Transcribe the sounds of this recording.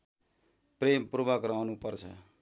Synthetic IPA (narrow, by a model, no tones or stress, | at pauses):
premprubʌkrawnupʌrt͡sʰʌ̰